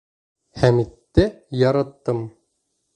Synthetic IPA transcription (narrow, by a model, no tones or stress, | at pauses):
hæmit̪ːɘjɑɾɑt̪ːɤm